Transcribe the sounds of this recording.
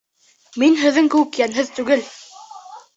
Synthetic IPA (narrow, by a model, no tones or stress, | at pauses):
minɦɘ̆ðːɘŋkɘwɘkjænɦɘðt̪ʉɡɘl